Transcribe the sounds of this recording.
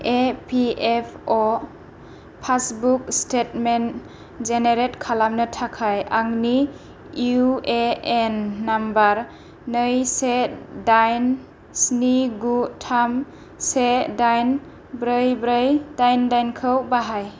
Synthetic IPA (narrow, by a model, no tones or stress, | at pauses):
epʰiepʰɔ | pʰasbuk̚stetmen | zeneɾetkʰalamnətʰakʰajaŋni | eenːambaɾ | nəjsedajn | sniɡutʰam | sedajn | bɾəjbɾəjdajndajnkʰɯwbaɦaj